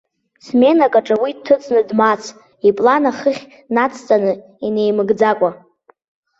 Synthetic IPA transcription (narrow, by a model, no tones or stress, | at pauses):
sme̞nakʼaʈ͡ʂʼɨwidtʰːɨt͡sʼnɨdmat͡sʰ | ipʼlanaχəχʲ | nat͡sʰt͡sʼanɨ | ine̞jmɨɡd͡zakʷʼa